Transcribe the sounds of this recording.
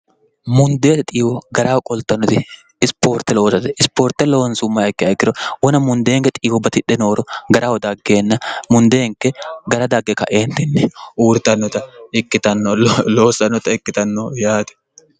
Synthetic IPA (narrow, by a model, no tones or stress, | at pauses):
mʊnd̪e̞ːt̪ɛt̪ʼiːwɔɡɐɾaːwkʼɔlt̪ːɐnːɔt̪ɪ | ɪspo̞ːɾt̪ɛloːsɐt̪ɛɪspoːɾt̪ːɛlɔwɐnsʊmːaɛkːɪɐkːɪɾɔwɔnɐmʊnd̪eːŋkɛt̪ʼiːwɔbɐt̪ɪᶑːɛnoːɾɔɡɐɾʔaːwɔd̪aɡːe̞ːnːɐmʊnd̪eːŋkːɛɡɐɾɐd̪aɡːɛkɐ̰ʔeːnt̪ɪnːɛʔuːɾt̪ɐnːɔt̪ɐɪkːɪt̪ɐnːɔloːsɐnːɔt̪ɐɪkːɪt̪ɐnːɔjaːt̪ɛ̥